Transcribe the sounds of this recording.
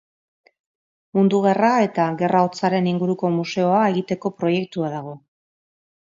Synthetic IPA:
mund̪uɣerae̞t̪aɣe̞rʔao̞t͡saɾe̞niŋɡuɾuko̞muse̞o̞ae̞ɣit̪e̞ko̞pɾo̞je̞k̚t̪uaðaɣ̞o̞

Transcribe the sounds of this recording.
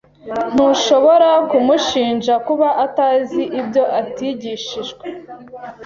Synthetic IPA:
n̥uʃo̞βo̞ɾakumuʃiːnʒakuβaʔataːziʔibjo̞ʔatiɟiʃiʒɡwe

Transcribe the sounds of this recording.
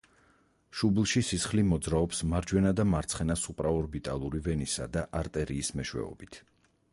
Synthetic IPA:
ʃublˠʃisisχlimɔd̪zɾaɔpsmaɾd͡ʒwɛnad̪amaɾt̪sʰχɛnasupʼɾaɔɾbit̪ʼalˠuɾivɛnisad̪aʔaɾt̪ʼɛɾiːsmɛʃwɛ̰ɔ̰bit̪ʰ

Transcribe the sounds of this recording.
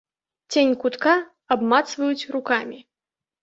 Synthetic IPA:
t͡sʲenʲkut̪ka | abmat̪svɐjut͡sʲrukamʲi

